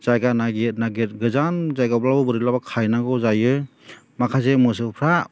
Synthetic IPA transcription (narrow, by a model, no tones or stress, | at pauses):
zajɡanaɡet̚naɡet̚ɡɯzanzajɡablabɯbɯɾilabakʰajnaɡɔzajɯ | makʰazemɯs̬ɯpʰɾa